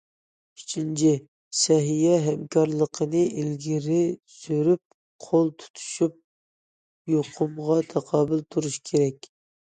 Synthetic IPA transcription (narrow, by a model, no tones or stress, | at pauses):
i̥t͡ʃʰint͡ʃʰi | sɛɦijɛɦɛmkʰɑɾlˠəqʰənɨʔilɡʲiɾɪsøɾyp̚ | qʰolˠt̪ʰu̥t̪ʰu̥ʃyp̚ | joqʰʊmʁɑt̪ʰɑqʰɑːbɪlt̪ʰuɾuʃkʲʰeɾɛkʲ